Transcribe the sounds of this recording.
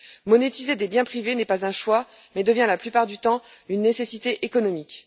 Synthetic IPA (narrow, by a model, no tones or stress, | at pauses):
mɔnet̪ized̪ebjɛ̃pχivenɛpazɛ̃ʃwa | mɛd̪əvjɛ̃laplypaʁd̪yt̪ɑ̃ | ynːesesit̪eʔekɔnɔmikʲ